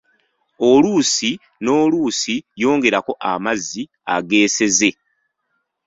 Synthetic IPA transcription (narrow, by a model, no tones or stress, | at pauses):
o̞luːsi | no̞ːluːsijo̞ːŋɡe̞ɾako̞ʔamazːi | a̰ɡe̞ːse̞ze̞